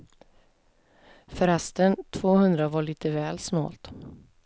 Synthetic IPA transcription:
fœɾɛst̪ənt̪ʰv̥oːhɵnd̪ɾavaɭiːt̪əvɛːlsmɑ̰ːlt̪

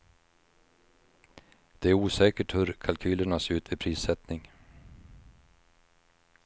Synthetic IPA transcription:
d̪̥ɛæɾuːsɛːkəʈhɵɾkʰalkʰyːləɳaseːʉ̟ːt̪vɛpʰɾiːsɛt̪nɪŋ

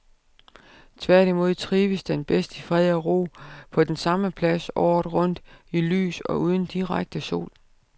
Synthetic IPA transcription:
t͡sʰʋæɐ̰ɾ̥imo̝ð̞̰ˠt͡sʰʁiːʋəsd̥enb̥esd̥əfʁɛðˠɒʁo̝̰ːpʰɒ̽d̥ensɑ̈məpʰlæsɒ̰ːð̥ʁɔ̽n̰d̥ily̰ːsɒ̽ʔuːð̞ˠən̩d̥iʁaɡ̥̚d̥əso̝̰ːl

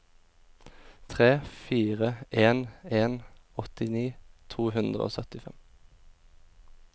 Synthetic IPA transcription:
t̪ʰʁeːfiːʁəʔeːneːnɔt̪ɪniːt̪ʰuːhʉnd̪ʁə̰o̰ːsœt̪ɪfɛm

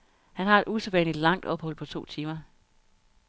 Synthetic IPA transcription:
hænɦɑ̈e̝d̥ʔuseʋɛn̰li̥lɑ̈ŋ̰d̥ɒ̽b̥hɒ̽l̰pʰɒ̽t͡sʰo̝̰ːt͡sʰiːmɐ

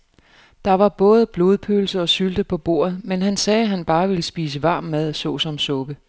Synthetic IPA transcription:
d̥ɑ̈ʋɑ̈b̥ɔ̽ːð̞ˠb̥lo̝ːðˠpʰøːl̩səɒ̽syld̥əpʰɒ̽b̥o̝̰ːɐ̰ð̞̩ˠmenɦænsɛːɦænb̥ɑ̈ːʋe̝ləsb̥iːs̬əʋɑ̈ːmːæð̞ˠsɔ̽sɒ̽msɔ̽b̥ə

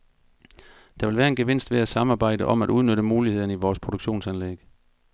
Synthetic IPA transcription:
d̥ɑ̈ʋe̝lʋæːɐe̝nɡ̥e̝ʋe̝n̰sd̥ʋe̝æsɑ̈mɑ̈ːb̥ɑ̈ɪ̰d̥əʔɒ̽mæɾ̥uð̞ˠnøɾəmuːlihe̝ð̞̰ˠn̩iʋɒːspʰʁod̥oɡ̥ɕo̝̰ːnsænleɡ̥

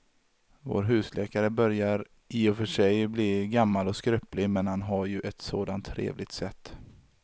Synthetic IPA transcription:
vo̰ːɾɦʉ̟ːslʔɛːkaɾəbœɾjaɾ | iːɔfœʂɛjbliːɡamːalɔskɾœplɪmɛnhanɦaɾjɵʔɛt̪soːd̪ant̪ʰːɾḛːvlɪɡ̚t̪sɛt̪ː

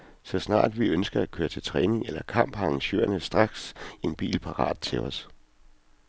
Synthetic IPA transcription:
sɒ̽snɑ̰̈ːd̥ʋiønsɡ̥ɐækʰøːɐt͡sʰe̝lt͡sʰʁɛːne̝ŋelɐkʰɑ̈m̰b̥ɑɑŋɕø̰ːɐnəsd̥ʁɑ̈ɡ̥se̝nb̥ḭːlpʰɑ̈ʁɑ̰̈ːd̥̚t͡sʰe̝lɒs

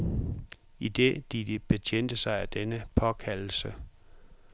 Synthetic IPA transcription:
id̥ḛd̥idib̥e̝t͡ɕʰen̰d̥əsɑ̈ɪæd̥enəpʰɒ̽kʰæll̩sə

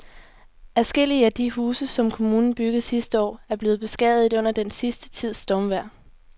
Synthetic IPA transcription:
æsɡ̥el̰iəæd̥iɦuːsəsɒ̽mkʰo̝muːnn̩b̥yɡ̥ð̩ˠsisd̥əɒ̰ːæɐb̥le̝ːð̩ˠb̥e̝sɡ̥ɛ̰ð̩ˠiɔ̽n̰ɐd̥ensisd̥ə̥t͡sʰið̰ˠsd̥ɒmʋæɐ̰

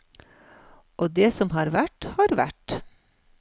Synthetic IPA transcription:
ʔoːd̪eːsɔmɦɑːɾʋæʈhɑːɾʋæ̰ʈ

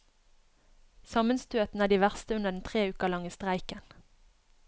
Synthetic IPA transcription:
sɑmənst̪ʉːət̪n̩æːɖiːʋæʁst̪əʉnəʁd̪n̩t̪ʰʁeːʉːkəʁlɑŋəst̪ʁæɪkən

